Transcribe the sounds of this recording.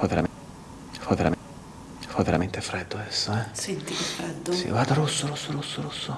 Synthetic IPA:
fɔvːeɾa̰m | fɔvːeɾa̰m | fɔvːeɾament̪efɾɛd̪ːoɛsːoɛsnt̪ikefɾɛd̪ːosḭɡward̪aɾusːoɾusːoɾusːoɾusːo

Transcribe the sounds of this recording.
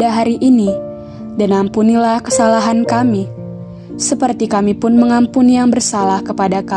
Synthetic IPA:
aɦaɾiʔini | danampunilahkəsalaɦankami | səpərt̪ikamipʊnməŋampunijaŋbərsalahkəpadaka

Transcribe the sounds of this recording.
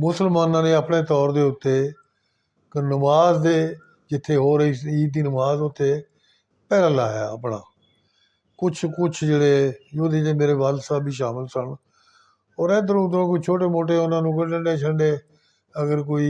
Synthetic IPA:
mʊsəlmaːnãːnẽːaːpɳeːt̪ɔːɾd̪eːʊt̪ːeː | kənəmaːzd̪eː | d͡ʒɪt̪ʰːeːɦoːɾiːiːt̪̚d̪iːnəmaːzʊt̪ʰːeː | pɛːɾãːlaːjaːəpɳa̰ː | kʊt͡ʃʰkʊt͡ʃʰd͡ʒeːɽeːjoːd̪eːeːmeːɾeːʋaːlsaːbiːʃ̬aːmɪlsəɳ | ɔːɾɛ̃ːd̪əɾũːd̪əɾõːkʊt͡ʃʰoːʈeːmoːʈ̬eːʊnãːnũːkəʈəɳɖeːt͡ʃʰəɳɖeː | əɡəɾkoːiː

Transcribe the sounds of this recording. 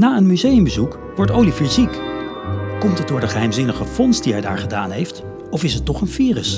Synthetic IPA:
naːənmyzejəmbəzuk | ʋɔɹtowlifɪɹzik | kɔmtɦət̚dʊːɹdəχəɦɛjmzɪnəχəfɔnstdiɦɛjda̰ːɹχədaːnɦejft | ɔfɪsɦətːɔχənfiːrəs

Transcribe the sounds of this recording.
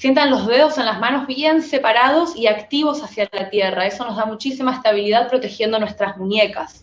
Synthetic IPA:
sje̞nt̪anlo̞zðe̞ðo̞se̞nlazmano̞zβje̞nse̞paɾað̞o̞siakt̪iβ̞o̞sasjalat̪je̞rae̞so̞no̞zðamut͡ʃisimaest̪aβ̞iliðað̚pɾo̞t̪e̞xje̞nd̪o̞nwe̞st̪ɾazmunje̞kas

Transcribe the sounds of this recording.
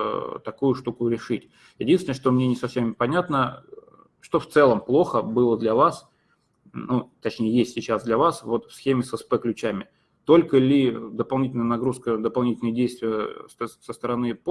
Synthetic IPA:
t̪ɐkujʊʂt̪ukʊɾʲɪʂɨtʲ | jɪdʲinsʲnəʂt̪o̞mnʲenʲɪsɐfsʲempɐnʲat̪nə | ʂt̪o̞ft̪sɛlˠəmplˠo̞xəbɨlˠəd̪lʲɐvas | nut̪ɐt͡ɕnʲejəjesʲtʲsʲɪt͡ɕasd̪lʲɐvasvo̞t̪fsxʲemʲɪsəspɛklʲʉt͡ɕæmʲɪ | t̪o̞lʲkəlʲɪd̪əpɐlˠnʲitʲɪlʲnəjənɐɡɾuskəd̪əpɐlˠnʲitʲɪlʲnəjədʲejst̪vʲɪjəssəst̪əɾɐnɨp

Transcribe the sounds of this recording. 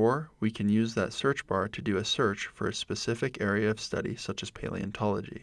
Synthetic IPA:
ɔɹwikʰɨ̃njʉzðə̰tsɜ˞t͡ʃb̥ɑɹɾɨdɨɨsɜ˞t͡ʃfə̰˞ɨspɨsɪfɨkɛɹiɨʌv̥stʌ̰ɾḭsʌt͡ʃɨz̥pʰeɪlˠḭɨ̰̃ntʰɑlˠəd͡ʒḭ

